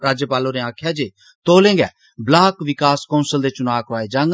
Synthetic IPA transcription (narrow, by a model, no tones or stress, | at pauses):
ɾaːd͡ʒjəpaːlõɾeãːkʰjad͡ʒeː | t̪oːlẽːŋɡɛː | blaːkʋɪkaːskɔʊnsəld̪et͡ʃʊnaːkɾaːed͡ʒãːŋɡ